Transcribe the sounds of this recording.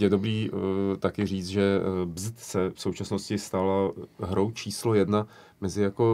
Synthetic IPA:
jɛdo̞bɾiːt̪akɪr̝iːt͡s̪ʒɛbzt̪sɛfso̞wt͡ʃasnoscɪst̪alaɦɾowt͡ʃiːslo̞jɛdna | mɛzɪjako̞

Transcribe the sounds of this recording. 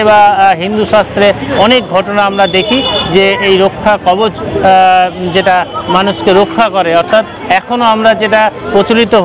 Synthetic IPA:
ebaɦind̪uʃast̪ɾeɔnek̚ɡʱɔʈonaamɾad̪ekʰid͡ʑeejɾokʰːakɔbot͡ʃ | d͡ʒeʈamanuskeɾokʰːakɔɾeɔɾt̪ʰat̪ | ɛkʰonoamɾad͡ʒeʈapɾot͡ʃolit̪oɦ

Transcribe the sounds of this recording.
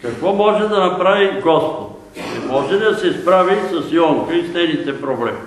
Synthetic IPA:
kakʋɔmɔʒɛd̪ɐnɐpɾaʋiɡɔst̪o | ɛmɔʒɛd̪ɐsɛspɾaʋisɐsiɔŋkəist̪ɛnit̪ɛpɾoblɛmi

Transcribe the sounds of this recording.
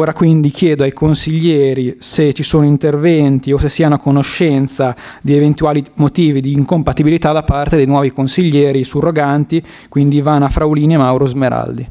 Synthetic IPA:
oːɾakwind̪ik̟jɛːd̪oajkonsiʎːɛːɾiset͡ʃisoːnoint̪ervɛnt̪iosesːiːanoakonoʃːɛnt̪sad̪ievent̪uaːlimot̪iːvid̪iːŋkompat̪ibilit̪ad̪apart̪ed̪ejnwɔːvikonsiʎːɛːɾisuroɡant̪i | kwind̪ivanːoafɾawliːnemawɾozmeɾa̰ld̪i

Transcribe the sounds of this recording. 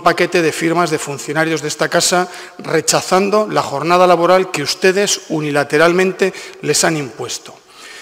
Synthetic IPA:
pake̞t̪e̞ð̞e̞fiɾmazðe̞funθjo̞naɾjo̞zðe̞st̪akasa | re̞t͡ʃaθand̪o̞laxo̞ɾnað̞alaβ̞o̞ɾalkeust̪e̞ð̞e̞sunilat̪e̞ɾalmẽ̞nt̪e̞le̞sanĩmpwe̞st̪o̞

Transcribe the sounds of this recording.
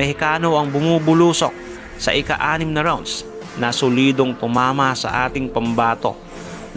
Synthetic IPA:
ɛhɪkaːno̞ɐŋbʊmubʊluːso̞̰k̚ | sɐ̰ʔɪkaʔaːnɪmnɐɾawnd̪s | nɐsʊliːd̪oŋt̪ʊmaːmɐsɐ̰ʔa̰ːt̪ɪŋpɐmbaːt̪o̞̰

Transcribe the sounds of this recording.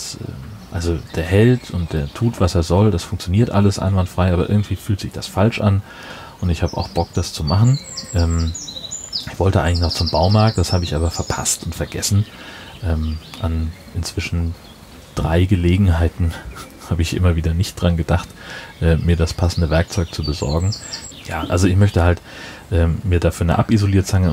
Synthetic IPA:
asʔɛ̰ːmʔalzod̥eːɐhɛltʰʊnt̚d̥eːɐtʰuːtv̥aseːɐzɔldasfʊŋkt͡sjoniːɐtʔa̰ləsʔa̰ɪnvantfʁ̥aɪʔaːbɐʔɪ̰ɐɡŋ̩tv̥iːfyːltz̥ɪçd̥asfalʃʔan | ʔʊntɪçhaːbəʔa̰ʊxb̥ɔk̚d̥ast͡sumaχn̩ʔɛːm | ʔɪçv̥ɔltəʔaɪɡŋ̩lɪç̬nɔχt͡sʊmbaʊmaɐk̚t̚d̥ashaːbəɪçʔaːbɐfɛɐpʰa̰stʊntfɛɐɡɛ̰sn̩ | ʔɛːmʔan | ʔɪnt͡sv̥ɪʃn̩ | d̥ʁaɪɡəleːɡŋ̩ɦaɪtn̩ | haːbəɪçʔɪ̰mɐviːdɐnɪçt̚d̥ʁanɡədaχtʔɛːmiːɐɾaspʰasn̩dəvɛɐk̚t͡sɔʏk̚t͡subəzɔ̰ɐɡŋ̩ja̰ːʔalzoɪçmœçtəhaltʔɛːmmiːɐdaːfyːɐnə̰ʔa̰pizoliːɐtt͡saŋə

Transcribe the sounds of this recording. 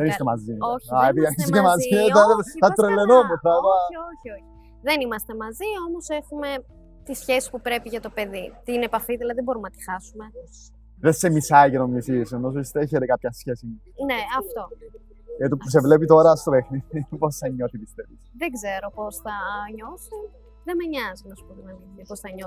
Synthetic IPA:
ðenist̪emɐzioɐepiðiɐniskemɐziθɐθɐt̪ɾelːenomuθɐðɐoçioçi̥ | ðenimɐst̪emɐzio̞mo̞se̞xume̞ | t̪isçesi̥spupɾe̞piʝɐt̪ope̞ðit̪iinepɐfiðilɐðibo̞ɾumnɐt̪i̥xɐsume̞ | ðesemisɐiʝenomnisisenos̬oist̪ɾeçeɾekɐp̚çɐsçesi | ne̞ɐft̪o̞ | jɐt̪ipus̬evlepit̪o̞ɾɐst̪oɾexniposɐɲoθit̪ist̪eðisðeɡze̞ɾo̞po̞sθɐɲo̞sun | ðemeɲɐzinɐsu̥puðunɐniiposθɐɲo

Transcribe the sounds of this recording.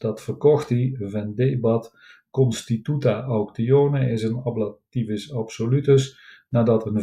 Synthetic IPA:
d̥ɑtfərkɔxtivɛndebɑt | kɔnstitutaʔɔwktijoːnəɪsənɑblativɪsɑpsolytəs | naːdɑtən

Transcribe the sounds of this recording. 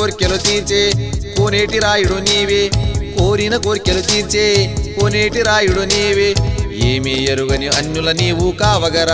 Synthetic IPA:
oːɾkʲɐlut̪iːɾt͡ʃeːkoːneːʈiɾaːjuɽoniːʋekoːɾinɐkoːɾkːɐlut̪iːɾt͡ʃeːkoːneːʈiɾaːjuɽoniːʋejeːmeːjɐɾuɡɐniɐɲːulɐniːʋuːkaːʋɐɡɐɾa

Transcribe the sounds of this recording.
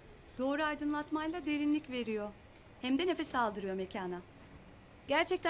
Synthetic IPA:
d̪̥o̞ːɾuajd̪ɯnlˠat̪majlˠad̪e̞ɾinlʲicve̞ɾijo̞ | hæmd̪ɛnefɛsalˠd̪ɯɾɯjo̞mecʰaːna | ɟ̥æɾt͡ʃʰɛc̚t̪ʰæ

